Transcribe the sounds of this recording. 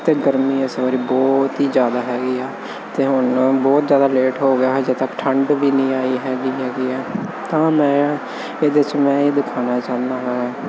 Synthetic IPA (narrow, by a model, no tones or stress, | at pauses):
t̪eːɡəɾmiːɛsʋaːɾiːbɔːt̪ɦiːd͡ʒjaːd̪aːɦɛːɡiːɛː | t̪eːɦʊɳbɔːt̪zjaːd̪aːleːʈɦoːɡɪjaːɦɛːd͡ʒeːt̪əkːʈʰəɳɖbiːnĩːaːiːɦɛːɡiːɦɛːɡiːɛːt̪ãːmɛ̃ː | eːd̪et͡ʃmɛ̃ːeːd̪ɪkʰaːnaːt͡ʃãːnd̪aːɦaːaː